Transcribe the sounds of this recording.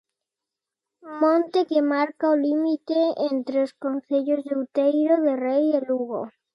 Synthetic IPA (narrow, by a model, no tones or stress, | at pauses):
mõnt̪ekemaɾkaolimit̪eent̪ɾeoskonθeʎozðewt̪ejɾoðerejðeluɣo̰